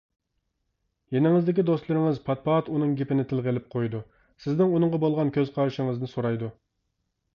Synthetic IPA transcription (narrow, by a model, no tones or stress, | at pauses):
jenɪŋɪzd̪ɪkʲid̪ost̪lˠɨɾɪŋɪzpʰɑt̪̚pɑt̪unɨŋɡʲepɪnɪt̪ʰɪlʁelɪp̚qʰojd̪u | sɪznɪŋunɨɴʁɑbolˠʁɑnkʲʰøz̥qʰɑɾʃɪŋɨznɨsoɾɑjd̪u